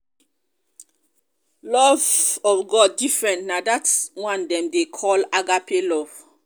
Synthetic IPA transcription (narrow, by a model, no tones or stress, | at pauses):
lɔvɔvɡɔddifɹɛ̃ntnadatwãndɛ̃mdekʰɔlaɡapʰelɔv̥